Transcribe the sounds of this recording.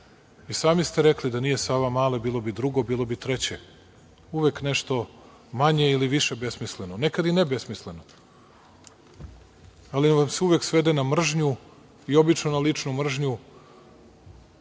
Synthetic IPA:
isaːmist̪eɾeklid̪anije̞saːʋamaːlebiːlˠo̞bid̪ɾuɡobiːlˠo̞bit̪ɾe̞t͡ɕe | uʋekneʃt̪o̞ | maɲe̞iliʋiʃebe̞smislenonekad̪inebe̞smisle̞no | aliʋamseuʋeksʋe̞d̪enamr̩ʒɲu | io̞bit͡ʃnonalit͡ʂnumr̩ʒɲu

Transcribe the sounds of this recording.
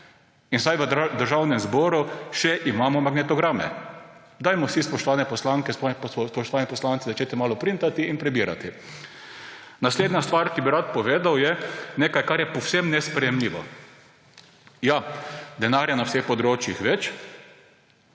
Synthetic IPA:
insajʋəd̪əɾʒawnɛmzbɔːɾuʃɛʔimaːmɔmaɡnɛt̪ɔɡɾamɛ̰ | d̪ajmɔsispɔʃt̪ɔʋaːnɛpɔslaŋkɛsspɔʃt̪ɔʋaːnɛpɔslant̪sizat͡ʃet̪ɛmaːlɔpɾint̪at̪iinpɾɛbiːɾa̰t̪i | nasleːd̪nast̪ʋaɾkibiɾat̪̚pɔʋeːd̪awjɛneːkajkaɾjɛpɔwsɛmnɛspɾɛjɛmliːʋɔ | jad̪ɛnaːɾjanawsexpɔd̪ɾoːt͡ʃjixʋɛt͡ʃ

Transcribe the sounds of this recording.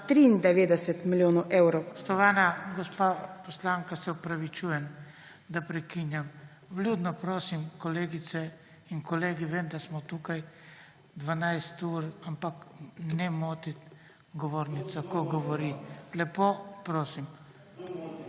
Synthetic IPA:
t̪ɾind̪ɛʋeːd̪ɛsɛt̪miljoːnɔʔɛwɾoɔ̥ʃt̪ɔʋaːnaɡɔspapɔslaŋkasɛɔpɾaʋit͡ʃuːjɛn | d̪apɾɛkinjam | bluːd̪nɔpɾoːsimkɔleːɡit̪sɛ | iŋkɔleːɡiʋeːmd̪asmɔt̪uːkaj | d̪ʋanajst̪uːɾampaknɛmoːt̪it̪ | ɡɔʋoːɾnit̪sakɔɡɔʋɔɾilɛpopɾoːsim

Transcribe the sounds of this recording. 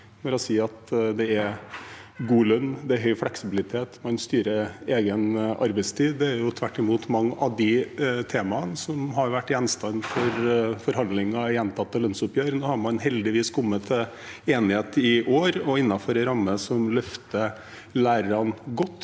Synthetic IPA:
nɔɾɛsiːɑt̪d̪ɛɛ | ɡuːlœnːd̪ɛæɦœʏflɛksɪbɪlɪt̪ʰeːt̪mɑnst̪yːɾəeːɡənɑ̰ɾbɛɪst̪ʰiːd̪ɛæɾjʊt̪ʰʋæʈːɪmuːt̪mɑŋːʔɑd̪ɪt̪ʰeːmɑənsɔmɦɑɾʋæʈːjɛnst̪ɑnfɔɾfɔɾhɑnd̪lɪŋːɑjɛnt̪ʰɑt̪ːəlœnsʊpjøːɾnoːhɑɾmɑnɦɛld̪ɪʋiːskʰʊmːət̪ʰə | eːnɪheːt̪ɪʔoːɾɔɪnːɑfɔɾɛɾɑmːəsɔmlœft̪ə | læːɾəɾɑnɡɔt̪ː

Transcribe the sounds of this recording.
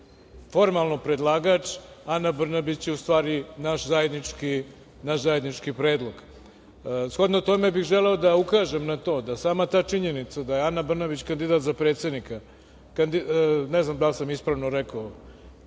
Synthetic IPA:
fo̞ɾmalˠnopɾed̪lˠaːɡat͡ʃanabr̩nabit͡ɕjeust̪ʋaːɾinaʃzajed̪nit͡ʂki | naʃzaje̞d̪nit͡ʂkipɾe̞ːd̪lˠo̞ɡ | sxo̞d̪not̪o̞mebixʒeleod̪aukaːʒe̞mnat̪o̞ːd̪asaːmat̪aːt͡ʂiɲenit̪sad̪ajeanabr̩nabit͡ɕkand̪id̪aːt̪zapɾe̞ːt̪sʲe̞d̪nika | kand̪ineznamd̪alsamispɾaːʋnoɾeka

